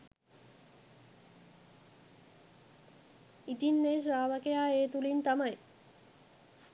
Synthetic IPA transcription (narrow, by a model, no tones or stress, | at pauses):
it̪inːeɾaːʋakejaːeːt̪ulint̪amaj